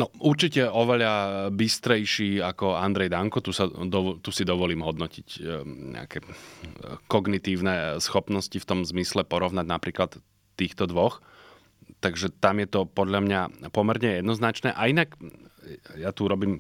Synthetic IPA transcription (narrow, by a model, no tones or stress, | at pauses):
nɔuɾt͡ʃicɛɔʋɛʎabist̪ɾɛjʃiːakɔand̪ɾɛjd̪aŋkɔt̪usad̪ɔt̪usid̪ɔʋɔliːmɦɔd̪nɔcicɲɛ̰a̰kɛː | kɔɡnit̪iːʊnɛsxɔpnɔscift̪ɔmzmislɛpɔɾɔʋnaɟnapɾiːklat̪ː | iːxt̪ɔd̪ʋɔx | t̪aɡʒɛt̪amjɛt̪ɔpɔd̪ʎamɲapɔmɛɾɲɛjɛd̪nɔznat͡ʃnɛːʔainak | jat̪uɾɔbiːm